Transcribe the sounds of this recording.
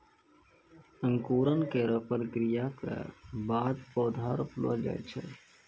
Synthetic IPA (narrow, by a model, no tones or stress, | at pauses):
ə̃ŋkuːɾənkeɾəpɾəkɾijakḛbaːd̪pɔːd̪ʱaːɾʊplo̰d͡ʒa̰ːet͡ʃʰɛ̰